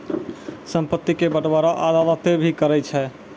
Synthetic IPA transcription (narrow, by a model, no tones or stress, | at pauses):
səmpət̪ːikebəʈbaɾaʔad̪alət̪ebʱikəɾɛt͡ʃʰɛ